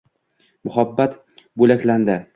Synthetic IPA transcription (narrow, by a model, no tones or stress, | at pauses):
mʊhabːat̪ | bɵlakʲland̪ɪ